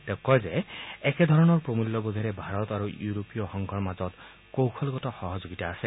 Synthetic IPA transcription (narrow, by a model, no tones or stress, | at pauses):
t̪ɛkːɔjzeɛked̪ʱɔɹɔnɔɹpɹomulːɔbod̪ʱɔɾɛbʱaɾɔt̪aɹujuɾopijɔxɔŋɡʱɔɹmazɔt̪ | kowkʰɔlɡɔtɔxɔɦɔzoɡitaːsɛ